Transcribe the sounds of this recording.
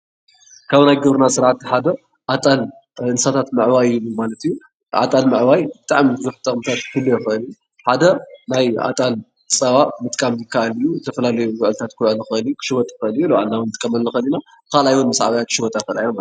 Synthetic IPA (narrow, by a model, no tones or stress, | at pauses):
kʰaβnajɡɨβɾɨnasɨɾʕat̪ħad̪ɐ | ʔat̪ʼal | ɨnsat̪ʰat̪mɨʕwajɨlːumalɐt̪iju | ʔa̰t̪ʼalmɨʕwajbɨt̪ʼaʕmibɨzuħt̪ʼɐkʼmɨt̪ʰat̪kʰɨlːojɛxʔɨliju | ħad̪ɐnajʔa̰t̪ʼal | t͡sʼɐβamɨt̪ʼkʼamzɨkʰːaʔalijuzt̪ʰɐfɐlalɐjuwɨʕɨlɨt̪ʰat̪kʰɨlʕɨlɨxɨlijukʰɨ̥ʃɨwɔt̪ʼɨxɨlijulɐwʕa̰lnawnmɨt̪ʼkʼɐmɐlːɨxɐlina | kʰalajwɔnmɨsʕaβajatkʰɨ̥ʃɨwɔt̪ʼajxɐɨlajoma